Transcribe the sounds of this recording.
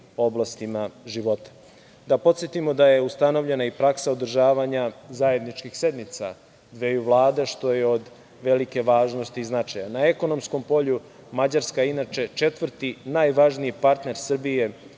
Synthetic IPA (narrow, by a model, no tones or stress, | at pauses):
o̞blˠast̪imaʒiʋo̞t̪ḁ | d̪apot̪sjet̪imo̞d̪aje̞ust̪ano̞vʎe̞naipɾaksaod̪r̩ʒaːʋaɲazaje̞d̪nit͡ʃkixse̞d̪mit̪sa̰ | d̪ʋe̞juʋlˠaːd̪eʃt̪o̞jeod̪ | ʋe̞like̞ʋaːʒnost̪iznat͡ʃajanaeko̞no̞msko̞mpo̞ʎu | mad͡ʑaɾskainat͡ʃe̞t͡ʃe̞t̪ʋr̩t̪inajʋaʒniipaɾt̪ne̞ɾsr̩bije̞